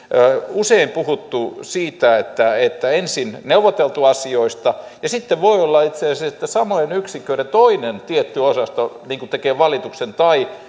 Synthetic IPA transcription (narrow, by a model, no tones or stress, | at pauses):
useimpuhut̪ːusiːt̪æet̪ːæet̪ːæensinneuʋot̪elt̪uɑsioist̪ɑjɑsit̪ːeʋʋoiolːɑit̪seɑseset̪ːæsɑmojenyksikːˑøinet̪oinent̪iet̪ːyosɑst̪oniːŋkut̪ekeːʋɑlit̪uksent̪ɑi